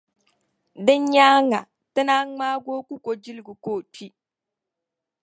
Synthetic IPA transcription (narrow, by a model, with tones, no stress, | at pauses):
dɨ˦ɲ˦ɲa˦ŋa˨ | tɨ˦na˦ŋ͡maː˦ɡoː˦ku˦kʷo˨d͡ʒi˦lɨ˦ɡu˨ko˦˨tʰi˦